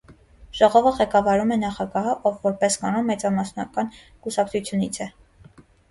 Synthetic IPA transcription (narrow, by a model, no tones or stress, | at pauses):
ʒ̥ɔʁɔvəʁɛkɑvɑɾumɛnɑχɑɡɑɦəʔɔvːɔɾpɛskɑnɔmːɛt͡sɑmɑsnɑ̰kɑn | kusɑkt͡sʰut͡sʰjunit͡sʰɛ